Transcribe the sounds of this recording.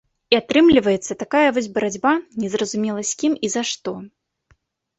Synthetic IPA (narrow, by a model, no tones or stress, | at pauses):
iat̪ɾɨmlʲivɐjɛt̪sːɐt̪akajɐvɔz̬ʲbɐɾad͡zʲbanʲɛzrɐzumʲɛlˠɐsʲkʲimizaʂt̪ɔ